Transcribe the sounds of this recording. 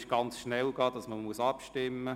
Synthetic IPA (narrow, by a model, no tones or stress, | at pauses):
ʃɡ̥ɑnt͡sʃnɛlɡɑːd̥ɑsməmuəsɑpʃtɪmːə